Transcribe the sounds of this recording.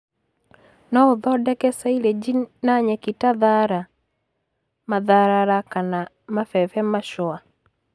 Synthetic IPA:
nɔoðɔdɛkɛsailed͡ʒinaɲɛkitaðaɾa | maðaɾaɾakana | mafɛfɛmaʃɔa

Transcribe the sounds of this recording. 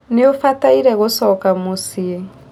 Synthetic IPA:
neofataiɾɛɣosɔkamosie

